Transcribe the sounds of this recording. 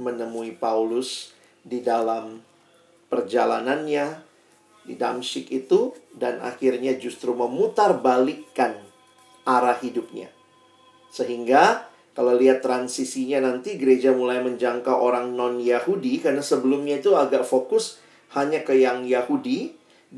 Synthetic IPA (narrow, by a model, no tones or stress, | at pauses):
mənəmuipaulʊs | didalam | pərd͡ʒa̰la̰nanɲa | dḭda̰msɪkit̪udana̰xɪrɲad͡ʒust̪ɾuməmut̪arbalikːan | ʔaɾahidʊp̚ɲa̰ | səɦiŋɡa | kalawliɦat̪ːɾansisiɲanant̪iɡəɾed͡ʒamulajməɲd͡ʒaŋkaʔoɾaŋnɔnjahudikarnasəbəlumɲait̪uaɡaʔfokʊs | haɲakəjaŋjahudi